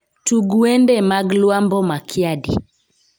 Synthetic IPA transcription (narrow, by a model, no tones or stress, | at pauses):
tuɡuɛndɛmaɡlwambɔmakʰiadḭ